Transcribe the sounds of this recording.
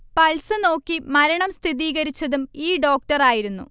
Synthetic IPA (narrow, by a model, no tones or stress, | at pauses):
pɐɭsɨno̞ːkːimɐɾɐɳɐmst̪ʰiðiːɣɐɾit͡ɕːɐðumiːɖo̞ːk̚ʈɐraːjiɾunːṵ